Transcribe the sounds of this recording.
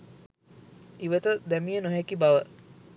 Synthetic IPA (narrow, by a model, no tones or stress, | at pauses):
iʋət̪əd̪æmijənoɦɛkibaʋə